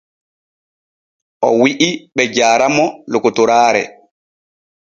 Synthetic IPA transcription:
ʔɔwiʔiɓɛd͡ʒaːɾamɔlokotɔɾaːɾɛ̰

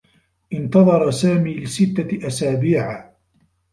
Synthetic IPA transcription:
ʔɪnt̪ɑðˤɑɾˤɑsaːmiːlɪsɪt̪ːaʔasaːbiːʕa

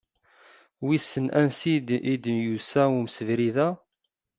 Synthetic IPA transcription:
wisːənʔænsiid̪njusæumsəvɾiðæ

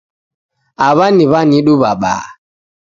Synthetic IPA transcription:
aβaniβaniɗubaɓa̰

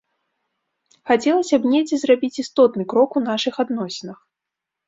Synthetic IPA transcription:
xat͡sʲɛlˠɐsʲɐbnʲɛd͡zʲɛzrabʲit͡sʲist̪ɔt̪nɨkɾɔkunaʂɨxad̪nɔsʲɛnɐx

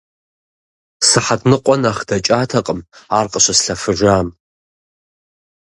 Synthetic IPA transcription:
sɨħadnɨqʷʼɔnaχdat͡ʃʼaːtʰɐqʼəmaːrqʼəʃʷɐsɬɐfɨʒʷaːm

